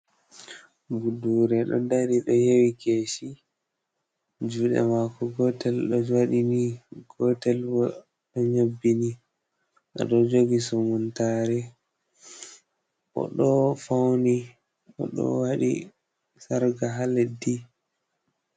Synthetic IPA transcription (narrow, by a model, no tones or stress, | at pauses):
buduɾɛɗɔ̰daɾiɗɔjewikesi | d͡ʒuɗɛ̰makɔɡɔtɛlɗɔwaɗiniɡ̥ɔtɛlbɔ | ɗɔɲobːini | ʔɔ̰ɗɔd͡ʒoɡisɔmuntaːɾɛ | ʔɔ̰ɗɔfawni | ɔ̰ɗɔ̰waɗḭ | saɾɡaɦaledi